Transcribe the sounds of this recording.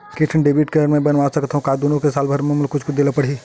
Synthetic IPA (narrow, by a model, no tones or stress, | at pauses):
kɪʈʰənɖebiːʈkeɾmẽbɐnʋasɐkt̪aɦũkaːd̪uːnõkesaːlbʱɐɾmẽmʊlkʊt͡ʃʰkʊt͡ʃʰd̪eːlapəɽ̤iː